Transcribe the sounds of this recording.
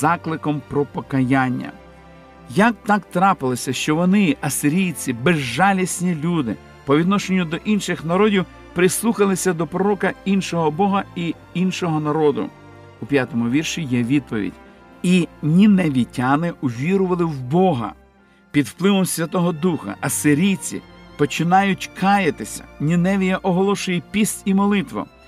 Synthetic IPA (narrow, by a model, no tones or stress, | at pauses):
zɑklˠɪkɔmpɾɔpɔkɐjanʲːɐ̰ | jɐk̚t̪ɑkt̪ɾɑpɪlˠɪsʲɐʃt͡ʃɔʋɔnɪɐsɪɾʲijt͡sʲibɛzːɑlʲisʲnʲilʲud̪ɪ̰ | pɔʋʲid̪nɔʃenʲːʊd̪ɔʔinʃɪxnɐɾɔdʲiw | pɾɪslˠuxɐlˠɪsʲɐd̪ɔpɾɔɾɔkɐinʃɔɦɔbɔɦɐi | inʃɔɦɔnɐɾɔd̪ʊ̰ | upʲjat̪ɔmʊʋʲirʃijɛʋʲid̪̚pɔʋʲḭdʲ | inʲinɛʋʲitʲanɪʊʋʲiɾʊʋɐlˠɪwbɔɦɐ̰ | pʲid̪wplˠɪʋɔmsʲʋʲɐt̪ɔɦɔd̪uxɐ̰ʔɐsɪɾʲit͡sʲḭpɔt͡ʃɪnɑjʊtʲkʰɑjɐt̪ɪsʲɐ̥̰nʲinɛʋʲijɐʔɔɦɔlˠɔʃʊjɛpʲisʲtʲimɔlˠɪt̪ʋɔ̰